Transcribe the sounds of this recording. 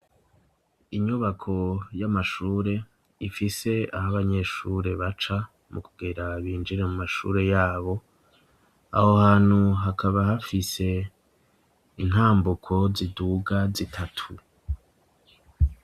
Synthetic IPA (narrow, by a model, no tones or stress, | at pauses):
iɲuβakʰo̞jamaʃuːɾe̞ | ifise̞a̰haβaɲe̞ʃuːɾe̞βat͡ʃa | mukuɡeɾaβiːnd͡ʒiɾe̞mumaʃṵːɾe̞jaːβo̞ | a̰hohaːn̥huɦakʰaβahafise̞ | in̥haːmbukʰo̞ziduːɡazitʰatʰu